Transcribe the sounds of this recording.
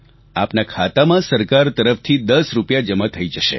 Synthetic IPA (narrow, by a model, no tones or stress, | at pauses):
apnakʰat̪amãsəɾkaɾt̪əɾəft̪ʰid̪əsɾupjad͡ʒəmət̪ʰəid͡ʒəʃḛ